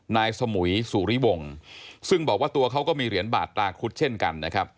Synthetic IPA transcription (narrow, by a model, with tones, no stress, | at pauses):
naː˧jsa˧mu˩˦suː˨˩ɾi˦˥wo˧ŋsɯ˥˩ŋbɔː˨˩k̚waː˥˩t̪u˧ɐkʰa˦˥wkɔː˥˩miː˧ɾi˩˦ənba̰ː˨˩t̪̚ːlaː˧kʰu˦˥t̪̚t͡ɕʰe˥˩nka̰˧nːa˦˥kʰa˦˥p̚